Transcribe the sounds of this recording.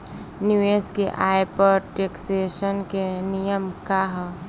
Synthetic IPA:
nɪʋeːskeʔaːjpəɾʈeːkseːʃənkenijəmkaɦ

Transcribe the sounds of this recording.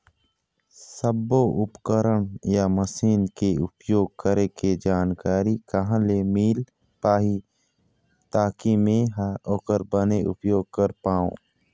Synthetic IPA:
səbːoʔʊpkəɾəɳjaməsiːnkeʊpjoːɡ̚kəɾeked͡ʒaːnkaːɾikɐɦãlemiːl | paːɦi | t̪aːkimẽɦɔːkəɾbəneʔʊ̰pjoːɡ̚kəɾpaːõ̰ː

